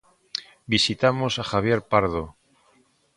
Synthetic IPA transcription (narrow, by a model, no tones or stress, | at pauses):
bisit̪amosaxaβ̞je̞ɾpaɾðo